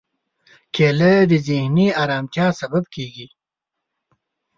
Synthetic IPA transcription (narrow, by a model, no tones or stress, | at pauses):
kʰeːləd̪izihniaːɾaːmt̪jaːsɐbɐbkiːɡi